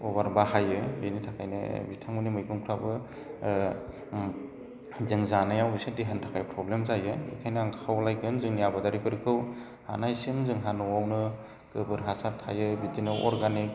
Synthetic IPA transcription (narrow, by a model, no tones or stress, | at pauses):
ubaɾbahajɯbenitʰakʰajnɯ̰bitʰaŋmɯnimɯjbʰɯŋpʰɾabɯ | zɯŋzanajawbisɯdiɦantʰḁkʰajpʰɾɔblemzajɯḭkʰajnɯaŋkʰawlajɡɯnzɯŋnijabadaɾipʰɯɾikʰɯw | ha̰najsɯŋzɯŋɦanɔwawnɯ | kɯbɯɾɦasaɾtʰa̰jɯbitinɯɔɾɡanik̚